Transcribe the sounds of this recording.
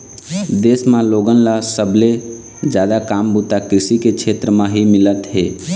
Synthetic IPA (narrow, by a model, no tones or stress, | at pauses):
d̪eːsmãloɡənlasəbʱle | d͡ʒjad̪akambut̪akɾisikekt͡ʃʰet̪ɾəmãɦimɪlət̪ɦe